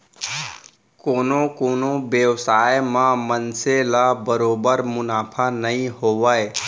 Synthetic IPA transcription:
konokonobjəwsajməmənseləbəɾobəɾmunapʰanəĩɦowəj

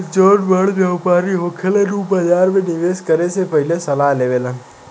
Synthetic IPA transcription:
d͡ʒəɖbəɭʋjaʋpaɾiɦokʰeleɾupəd͡ʒaːɾmẽnɪʋeːskəɾesepəɦilesəlaleʋela

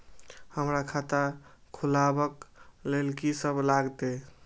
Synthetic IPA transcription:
həmɾakʰat̪akʰulabəklelkisəblaɡt̪e

